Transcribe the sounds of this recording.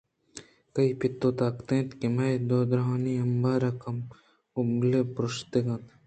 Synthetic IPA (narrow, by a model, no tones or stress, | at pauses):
kɐipɪt̪ːoːt̪aːkt̪ẽːt̪kimɐjd̪oːd̪ɾɦaːniɐmbaːɾɐkɐm | ubɡlepɾʊʃt̪eɡɐ̃t̪